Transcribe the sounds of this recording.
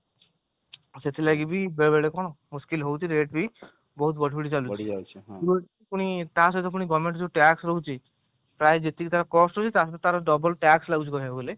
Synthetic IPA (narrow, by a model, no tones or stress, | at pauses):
set̪ʰilaɡibibeɾbeɽekɔñomuskilɦowt͡ʃʰiɾeʈ̚bi | bɔɦut̪̚bɔʈʰbuɽit͡ʃaluiat͡ʃʰibot | puñit̪as̬ɔt̪ɔp̬uñiɡɔmeɳʈd͡ʒuʈɛksɾoɦut͡ʃʰi | pɾaed͡ʒet̪ikit̪aɾkɔsʈot͡ʃʰit̪at̪aɾɖɔbɔlʈɛkslaut͡ʃʰikɔɾaɡele